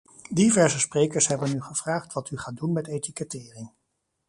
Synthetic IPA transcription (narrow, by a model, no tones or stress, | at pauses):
divɛɹsəsprejkəɹsɦɛbənyχəv̥raːχtʋɑtyχaːt̚dunmɛtejtikətɪːrɪm